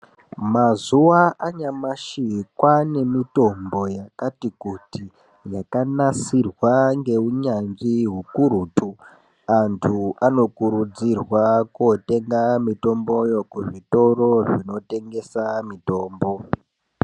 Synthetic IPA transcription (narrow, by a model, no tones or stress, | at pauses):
mazuwaaɲamaʃikwane̞mito̞mbo̞jakatikuti | jakanasirwaŋɡe̞uɲanʐiɦukuɾuːtʰu | antʰuano̞kuɾud͡zirwakote̞ŋɡamito̞mbo̞jo̞kuʐito̞ɾo̞ʐino̞te̞ŋɡe̞samito̞ːmbo̞